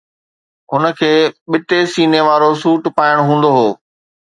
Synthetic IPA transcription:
ɦʊnə̆kʰeːɓɪt̪esiːneʋaːɾosuːʈpaːɪɽ̃ɦũːn̆d̪oɦoː

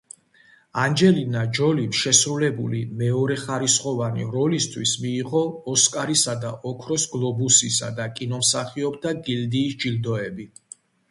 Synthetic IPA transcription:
and͡ʒɛlinad͡ʒɔlimʃɛsɾulɛbulimɛɔɾɛχaɾisχɔvanḭɾɔlist̪ʰwismiːʁɔːskʼaɾisad̪aʔɔkʰɾɔsɡlˠɔbusisa̰d̪akʼinɔmsaχiɔb̚d̪aɡild̪iːsd͡ʒild̪ɔɛbi

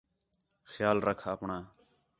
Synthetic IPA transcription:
xjaːlɾəkʰaːəpɳaː

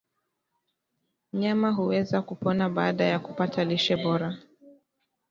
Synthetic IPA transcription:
m̩ɲamaɦuwɛzakupɔnaɓaːɗajakupatʰaliʃɛɓɔɾa

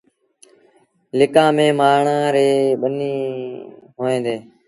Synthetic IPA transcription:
lɪkãːmẽːmaːɾɳãːɾeːɓəniː | ɦoːẽːd̪eː

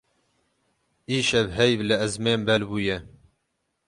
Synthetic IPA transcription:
iːʃɛvɦɛjvlɨɛzmeːmbɛlbuːjɛ

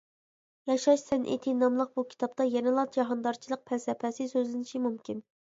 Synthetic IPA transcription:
jɑʃɑʃsɛnʔḛt̪ʰɪnɑmlˠəq̚bukʲʰi̥t̪ɑp̚t̪ɑjɛnɪlˠɑt̪d͡ʒɑɦɑnd̪ɑɾt͡ʃʰilˠəq̚pʰɛsɛpʰɛsɪsøzlɪnɪʃimumkʲin

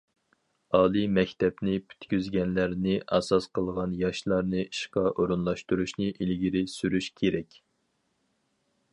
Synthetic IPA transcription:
ɑːlˠimɛkʲt̪ɛpnɪpʰy̥t̪kʲyzɡʲɛnlæɾnɪʔɑsɑsqʰəlˠʁɑnjɑʃlˠɑɾnɨiʃqɑʔoɾunlˠɑʃt̪uɾuʃnɨʔilɡʲiɾɪsyɾyʃkʲʰeɾɛkʲ

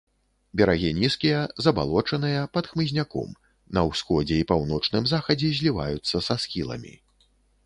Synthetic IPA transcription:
bʲɛɾaɣʲinʲiskʲijɐzɐba̰lˠɔt͡ʂɐnɨjɐpɐt̪xmɨzʲnʲakɔ̰m | nɐwsxɔd͡zʲɛipawnɔt͡ʂnɨmzaxɐd͡zʲɛzʲlʲiva̰jut̪sːɐsasxʲilˠɐ̰mʲḭ

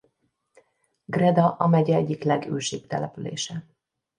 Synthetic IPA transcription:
ɡrɛd̪ɒʔɒmɛɟɛɛɟːiklɛɡøːʃeːbt̪ɛlɛpylḛːʃɛ

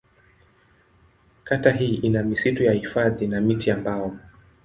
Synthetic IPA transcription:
kataɦiːʔinamisitujahifaðinamitiambaɔ

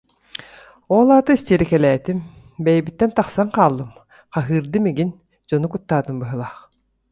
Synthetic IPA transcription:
ɔlˠaːt̪ɯist̪iːɾikɛlɛːt̪im | bɛjɛbit̪ːɛnt̪aχsaŋqaːlˠːɯm | χaɦɯːɾd̪ɯmiɡin | d͡ʑɔnukut̪ːaːt̪ɯmbɯɦɯlˠaːχ

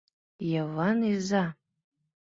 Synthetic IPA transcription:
javaniza

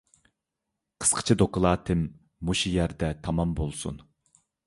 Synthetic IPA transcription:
qʰə̥sqʰə̥t͡ʃʰid̪okəlˠɑːt̪ʰɪmː | uʃijæɾd̪ɛt̪ʰɑmɑmbolˠsṵn

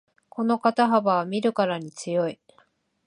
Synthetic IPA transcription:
kʰo̞no̞kat̪aɦabaβamʲiɾɯ̟kaɾaɲ̟it͡sɨjo̞i

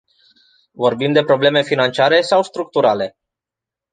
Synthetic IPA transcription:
vo̞rbimd̪e̞pɾo̞ble̞me̞finant͡ʃiaɾe̞sawst̪ɾuk̚t̪uɾale̞

